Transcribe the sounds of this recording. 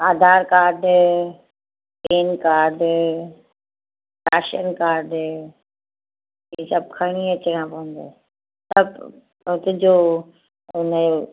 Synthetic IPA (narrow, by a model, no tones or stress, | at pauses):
aːd̪ʱaːɾkaːɾɖ | peːnkaːɾɖ | ɾaːʃənkaːɾɖ | isɐb̚kʰɐɽ̃iɐt͡ɕɪɽãːpɐʋə̃nd̪o̰ː | sɐb | ɦɪt̪d͡ʑoː | ʊnəo